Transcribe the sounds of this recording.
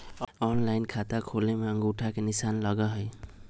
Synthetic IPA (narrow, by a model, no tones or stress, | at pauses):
ɔnlajnkʰat̪akʰolemaŋɡuʈʰakenisanlʌɡaɦʌj